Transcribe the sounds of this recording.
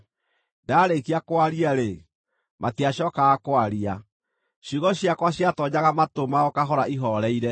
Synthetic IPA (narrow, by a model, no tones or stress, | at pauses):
daːɾekiakwaɾiaɾe | matiaɕɔkaɣakwaɾia | ɕuɣɔɕjakwaɕjatɔɲaɣamatomaɔkaɦɔɾaʔiɦɔɾɛiɾɛ